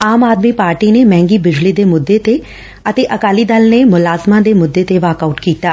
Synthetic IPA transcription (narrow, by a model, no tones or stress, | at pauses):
aːmaːd̪miːpaːɾʈiːneːmɛ̃ːŋɡiːbɪd͡ʒliːd̪eːmʊd̪ːeːt̪eː | ət̪eːʔəkaːliːd̪əlneːmʊlaːzmãːd̪eːmʊd̪ːeːt̪eːʋaːkauːʈkiːt̪aː